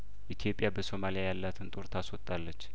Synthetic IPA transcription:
ʔit̪ʰijo̞pʼjabəso̞malijajalːat̪ʰɨnt̪ʼoɾt̪ʰaswɔt̪ʼːalːət͡ʃː

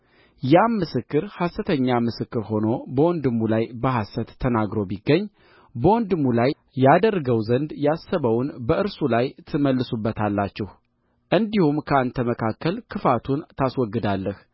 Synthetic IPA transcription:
jamːɨsɨkːɨɾhasət̪ʰəɲːamɨsɨkːɨɾho̞no̞bəwɔnd̪ɨmːulajbəɦasət̪ʰːənaɡɾo̞biɡːəɲː | bəwɔnd̪ɨmːulaj | jad̪ərːɡəwzənd̪jasːəβəwnbəʔɨɾsulajt̪ʰɨməlːɨsubːət̪ʰalːat͡ʃːɛh | ʔɨnd̪ihumkʰəant̪ʰəməkʰakːəlkʰɨfat̪ʰunt̪ʰaswɔɡːɨd̪alːəh

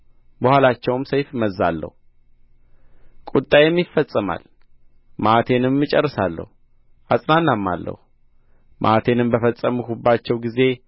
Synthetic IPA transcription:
bəhʷwalat͡ʃːɛwmsəjfməza̰lːə̰hu | kʼut̪ʼajɛmːifːəsʼːəma̰l | mat̪ʰe̞nɨmːɨt͡ʃʼɛrːɨsalːə̰hu | ʔasʼnanːamːa̰lːə̰hu | mʔa̰t̪ʰe̞nɨmbəfəsʼːəmukubːat͡ʃːɛwɡize̞

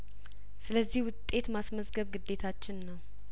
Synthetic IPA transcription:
sɨləzːihwʊt̪ʼːe̞t̪masməzɡəβɡɨd̪ːe̞t̪ʰat͡ʃːɪnːəw

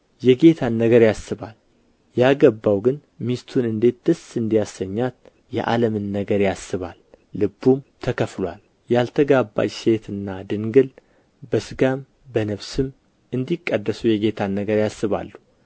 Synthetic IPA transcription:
jɛɡe̞t̪ʰanːəɡəɾjasːɨβal | jaɡəbːawɡɨn | mist̪ʰunɨnd̪e̞t̪̚d̪̥ɨsɨnd̪ijasəɲːat̪ | jɛ̰ʔa̰ləmɨnːəɡəɾjasːɨβa̰lː | ɨbːumt̪ʰəkʰəflwa̰l | jalt̪ʰəɡabːa̰t͡ʃse̞t̪ʰɨnːad̪ɨŋɡɨl | bəsɨɡam | bənəβsɨm | ɨnd̪ikʼːəd̪ːəsujɛɡe̞t̪ʰanːəɡəɾjasːɨβa̰lːu

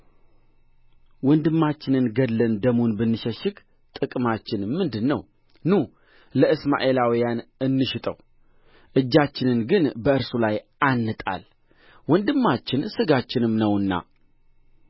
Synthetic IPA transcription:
wɔnd̪ɨmːat͡ʃːɪnɨnɡəd̪lənd̪əmunbɨnːɨʃəʃɪk | t̪ʼɨkʼmat͡ʃːɪnɨmːɨnd̪ɨnːəw | nu | ləɨsma̰ʔe̞lawijanɨnːɨʃɪt̪ʼə̰w | ʔɨd͡ʒːat͡ʃːɪnɨnɡɨnbəɨɾsulajʔanːɨt̪ʼa̰l | wɔnd̪ɨmːat͡ʃːɪnsɨɡat͡ʃːɪnɨmnəwɨnːa̰

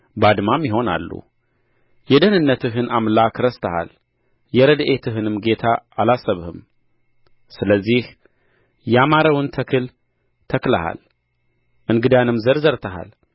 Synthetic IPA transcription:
bad̪mamjɪɦo̞na̰lːṵ | jɛd̪ənɨnːət̪ɨɦɨnʔamlakɾəst̪ʰəha̰l | jɛɾəd̪ʔe̞t̪ʰɨɦɨnɨmɡe̞t̪ʰaːlasəβhɨm | sɨləzːih | jɛamaɾəwɨnt̪ʰəkʰɨl | t̪ʰəkla̰ha̰l | ʔɨnɡɨd̪anɨmzəɾzəɾt̪ʰəɦa̰l

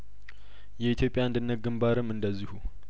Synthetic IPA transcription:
jɛit̪ʰjo̞pʼjaɨnd̪ɨnːət̪̚ɡɨmbaɾɨmɨnd̪əzːihu

